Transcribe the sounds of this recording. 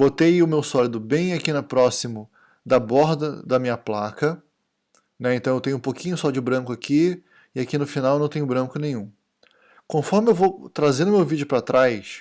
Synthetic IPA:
bot̪ejʊmewsɔlid̪ʊbẽj̃akinɐpɾɔsimʊ | d̪ɐbɔɾd̪ɐd̪ɐmĩɲɐplakɐ | nɛẽt̪ɐ̃w̃ewt̪ẽɲʊũpokĩɲʊsɔd͡ʒɪbɾɐ̃kʊaki | ɪakinʊfinaw̃nɐ̃w̃t̪ẽɲ̃ʊbɾɐ̃kʊnẽj̃ũ | kõfɔɾmɪewvowt̪ɾazẽɾd̪ʊmewvid͡ʒʊpɾat̪ɾajs

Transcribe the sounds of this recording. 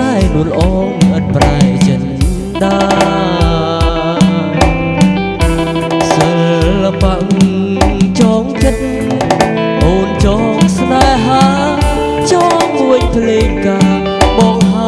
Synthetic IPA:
anuələ̆ʔɑːŋʔət̪̚praɛt͡ɕət̪̚ | ɗ̪aː | səlːapaʔ | t͡ɕɔːŋt͡ɕət̪̚ | ʔoːnt͡ɕɑːŋsnaɛɦaː | t͡ɕɑːŋkuəɲpʰleːŋkaː | ɓɑːŋɦa

